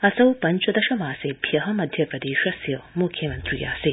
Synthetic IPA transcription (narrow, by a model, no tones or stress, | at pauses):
ɐsɐwpɐɲt͡ʃɐd̪ɐʃɐmaːsebʱjɐɦɐmɐd̪ʱjɐpɾɐd̪eːʃɐsjɐmukʰːjɐmɐnt̪ɾiːja̰ːse